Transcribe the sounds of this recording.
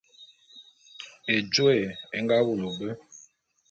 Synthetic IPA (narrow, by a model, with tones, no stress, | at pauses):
e˨d͡ʒo˦e˨e˦ŋ˦ɡa˦wu˨lo˨bə˦